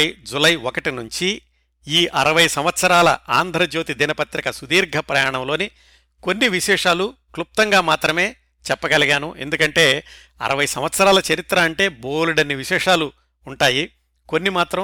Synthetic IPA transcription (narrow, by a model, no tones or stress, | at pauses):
jd͡ʒulɐjokɐʈinuɲt͡ʃi | iːʔɐɾɐʋɐjsɐmʋɐt̪sɐɾaːlɐ̰aːnd̪ʱɾɐd͡ʒoːt̪id̪inɐpɐt̪ɾɐkɐsud̪iːɾɡʱɐpɾɐjaːɳɐmlo̞ːni | ko̞nːiʋiʃɛːʂaːluklup̚t̪ɐŋɡaːmaːt̪ɾɐme̞ː | t͡ʃɛpːɐɡɐliɡaːnuʔe̞̰nd̪ukɐɳʈe̞ː | ɐ̰ɾɐʋɐjsɐmʋɐt̪sɐɾaːlɐt͡ʃɐɾit̪ɾɐːɳʈe̞ːbo̞ːluɽɐnːiʋiʃɛːʂaːluː | ɳʈaːji | ko̞nːimaːt̪ɾɐ